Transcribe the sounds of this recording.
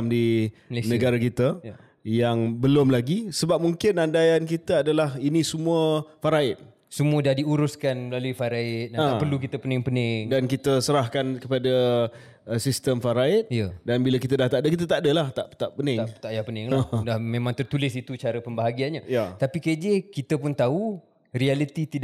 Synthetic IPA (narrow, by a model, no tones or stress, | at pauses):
mdinəɡaɾakit̪ə | jaŋbəlʊmlaɡisəbap̚muŋkɪnandajankit̪əadalahɦinĩsəmũəfaɾaɪt̪̚ | səmũədahdiuɾʊskanməlaluifaɾaɪaaapərlukit̪əpənɪŋpənɪŋdankit̪əsəɾahkankəpada | əsist̪əmfaɾaɪt̪̚jədanbilakit̪ədaht̪aʔdəkit̪̬ət̪aʔdəlaht̪aʔt̪aʔpənɪŋt̪aʔjapənɪŋladahmẽmãŋt̪ərt̪ulɪsit̪ut͡ʃaɾəpəmbaɦaɡianɲajat̪apiked͡ʒekit̪əpʊnt̪au | rialit̪it̪id